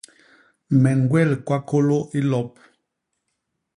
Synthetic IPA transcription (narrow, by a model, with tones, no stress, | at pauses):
mɛ˨n˦ɡwɛ˦˨lkwa˦ko˦lo˦ʔi˦lɔ˦p̚